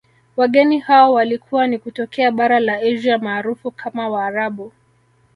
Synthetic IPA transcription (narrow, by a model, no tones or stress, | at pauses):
waɠɛnihaɔwalikʰuwanikutɔkɛaɓaɾalaiʒamaːɾufukʰamawaːɾaɓu